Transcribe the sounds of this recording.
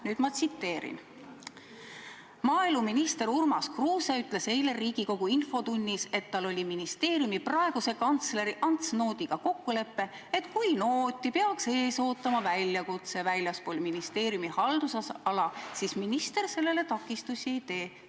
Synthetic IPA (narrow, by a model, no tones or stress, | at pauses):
nyːd̪̥mɑt̪sit̪ːe̞ːɾḭn | mɑːilmuminist̪e̞ɾurmɑskruːseyt̪ˑle̞se̞jle̞riːɡ̥iko̞ɡ̥uinfo̞t̪unʲːise̞t̪ːɑlo̞lʲiminist̪e̞ːɾʲjumiprɑe̞ɡ̥use̞kɑnt̪sle̞ɾiʔɑnt̪sno̞ːd̪̥ʲiɡ̥ɑko̞kːule̞pːe̞ | et̪kujnoːt̪ʲːˑipeɑkse̞ːso̞ːt̪ːˑɑmɑvælʲjɑkut̪se̞vælʲjɑspoːlʲminist̪e̞ːɾjumihɑld̪̥usɑsɑlɑsisminist̪e̞ɾse̞lːe̞le̞t̪ɑkːˑist̪usʲieijd̪e̞ː